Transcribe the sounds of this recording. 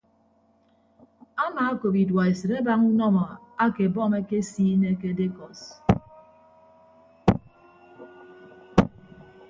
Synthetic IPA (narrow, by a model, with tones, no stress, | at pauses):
a˦maː˨a˦ko˨pi˨dwa˨e˨sɨ˨ɾe˦ba˦ŋu˦nɔ˦mɔ˨a˦ke˨bɔ˦˨me˦ke˦siː˦ne˦ke˦de˦kɔ˨s